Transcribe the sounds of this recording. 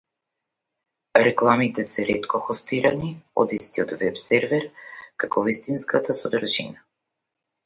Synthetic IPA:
ɾɛklˠamit̪ɛsɛɾɛt̪kɔxɔst̪iɾaniɔ̰d̪ist̪iɔt̪vɛpsɛɾvɛɾkakɔvist̪inskat̪asɔd̪ɾ̩ʒḭna

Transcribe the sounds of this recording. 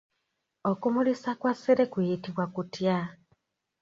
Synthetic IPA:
okumulisakwasiɾekwijitiβwakutja

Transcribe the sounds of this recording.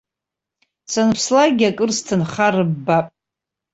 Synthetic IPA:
sanpʰslaɡʲakʼɨrstʰɨnχarɨbːapʼ

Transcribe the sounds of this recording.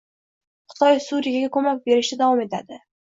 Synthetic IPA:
χɨ̥t̪ʰɒjsuɾijaɡʲakʰɵmak̚ʲbe̞ɾɪʃt̪ɪd̪avɒme̞t̪ʰad̪ɪ

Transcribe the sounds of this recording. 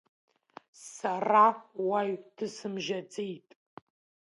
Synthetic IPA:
sarawajtʰɨsɨmʒat͡sʼejtʼ

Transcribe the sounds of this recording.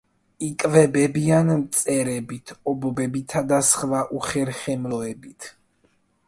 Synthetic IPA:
ikʼvɛbɛbianmt̪sʼɛɾɛbit̪ʰɔbɔbɛbit̪ʰad̪asχvaʔuχɛɾχɛmlɔɛbit̪ʰ

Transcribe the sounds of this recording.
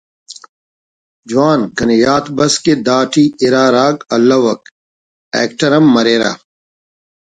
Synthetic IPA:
d͡ʑuaːnkɐnejaːt̪bɐsked̪aːʈʰiiɾaːɾaːɡɐlːɐwɐk | ɛ̰ːk̚ʈɐɾɐmːɐɾeːɾa̰ː

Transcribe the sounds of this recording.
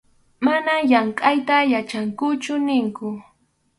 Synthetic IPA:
manajaɴkʼajt̪ajat͡ʃaŋkʊt͡ʃʊnɪŋkʊ

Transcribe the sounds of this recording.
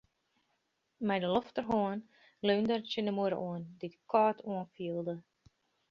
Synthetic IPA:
mɛjdəlɔftərɦoən | løːndərtjənəmuəɾə̰ʔuəndidəkʰɔːtʰuənfiəlˠdə

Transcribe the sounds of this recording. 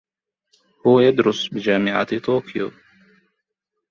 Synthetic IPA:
huːɛd̪ɾʊsbʲɪd͡ʒʲæːmʲɪʕa̰t̪ɐt̪oːkʲjɛː

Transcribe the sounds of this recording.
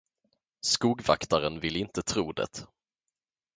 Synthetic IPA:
skuːɡva̰kt̪aɾənvɪlːɪnt̪ət̪ʰɾuːd̪ɛ̰t̪

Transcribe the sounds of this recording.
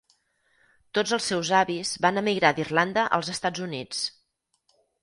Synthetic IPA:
t̪od͡zəlˠsːɛwzaβizbanəmiɣɾad̪irland̪əʔə̰lˠzəst̪ad͡zunit͡s

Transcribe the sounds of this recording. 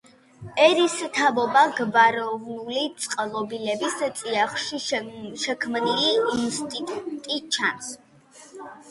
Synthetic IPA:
ɛɾist̪ʰavɔbaɡvaɾɔvnulit̪sʼqʼlˠɔbilɛbist̪sʼiaχʃiʃɛkʰmniliːnst̪ʼit̪ʼut̪ʼit͡ʃʰans

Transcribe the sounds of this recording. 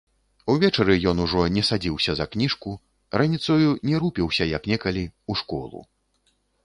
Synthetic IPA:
uvʲɛt͡ʂɐɾɨjɔnuʐɔnʲɛsad͡zʲiwsʲɐzɐknʲiʂku | ɾʔanʲit̪sɐjunʲɛɾupʲiwsʲɐjɐknʲɛkɐlʲiuʂkɔ̰lˠṵ

